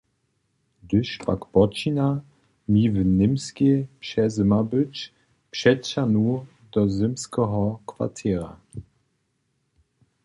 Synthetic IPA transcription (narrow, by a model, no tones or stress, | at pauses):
d̪ɵʃpa̰kpɔt͡ʃina | mivnɪmskʲepʃɛzɘmabɘt͡ʃ | pʃɛtʃanu | d̪ɔzɘmskɛɦɔkva̰t̪ʰɛɾa̰